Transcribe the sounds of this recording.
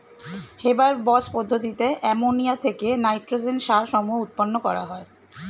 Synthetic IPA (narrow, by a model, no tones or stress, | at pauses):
hebaɾbɔspod̪ʱːot̪it̪eʔɛmonijat̪ʰekenajʈɾod͡ʑenʃaɾʃɔmueut̪̚ponːokɔ̰ɾa̰ɦɔe